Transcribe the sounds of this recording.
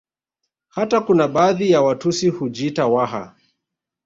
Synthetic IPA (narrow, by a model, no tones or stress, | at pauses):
hatakunaɓaːðijawatusihud͡ʒitawaɦa̰